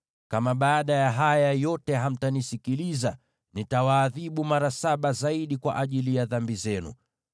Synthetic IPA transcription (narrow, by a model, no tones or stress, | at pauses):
kamaɓaːɗajaɦajajɔtɛɦam̩tanisikiliza | nitawaːðiɓumaɾasaɓazaiɗikwa̰ʔaʄilijaðambizɛnṵ